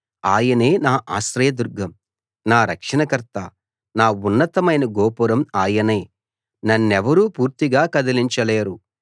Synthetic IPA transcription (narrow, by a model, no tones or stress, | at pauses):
aːjɐneːnaːʔaːsɾɐjɐd̪uɾɡʱɐm | naːɾɐkʂɐnɐkɐɾt̪ɐ | naːunːɐt̪ɐmɐjnɐɡoːpuɾɐmaːjɐneː | nɐnːɛʋɐɾuːpuːɾt̪iɡaːkɐd̪ɐliɲt͡ʃɐleːɾu